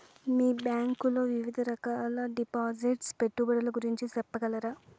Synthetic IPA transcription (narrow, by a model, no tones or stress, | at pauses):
miːbjaːŋkuloːʋiʋid̪ʱɐɾɐkaːlɐɖipaːd͡ʒiʈspeʈːubɐɽɐlɐɡuɾiɲt͡ʃit̪ɛpːɐɡɐlɐɾaː